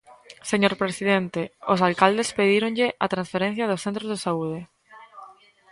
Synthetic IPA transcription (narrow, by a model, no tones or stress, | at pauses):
seɲoɾpɾesiðent̪eosalkald̪espeðiɾõŋʎɪʔat̪ɾãnsfeɾẽn̟θjɐðʊsθẽnt̪ɾozðesauð̞ɪ